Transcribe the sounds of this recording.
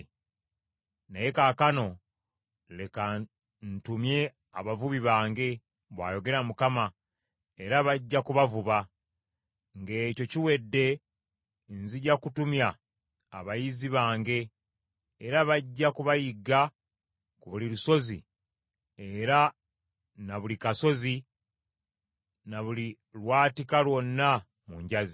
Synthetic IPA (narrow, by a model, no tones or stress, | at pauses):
naje̞kaːkano̞ | le̞ka | ntumje̞ | aβavuβiβaːŋɡe̞ | βwa̰ːjo̞ɡe̞ɾamukama | eɾaβaɟːakuβavuβa | ŋɡe̞ːco̞ciwe̞dːe̞ | nziɟakutumjaː | βajiziβaːŋɡe̞ː | ɾaβaɟːakuβajiɡa | kuβuliluso̞zḭ | eɾa | naβulikaso̞zi | naβuli | lwaːtikalwo̞nːa | muɲɟazi